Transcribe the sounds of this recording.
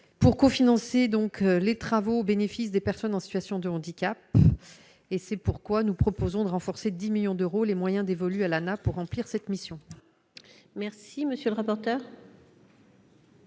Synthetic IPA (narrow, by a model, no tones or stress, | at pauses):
puʁkofinɑ̃sed̪ɔ̃klet̪χavoːbenefisd̪epɛʁsɔnɑ̃sit̪ɥasjɔ̃d̪əɑ̃d̪ikʲap | esɛpuʁkwanupχɔpozɔ̃d̪əʁɑ̃fɔʁsed̪imiljɔ̃d̪øʁolemwajɛ̃d̪evɔlyalanapuʁːɑ̃pliʁsɛt̪misjɔ̃ | mɛʁsiməsjøləʁapɔʁt̪œːʁ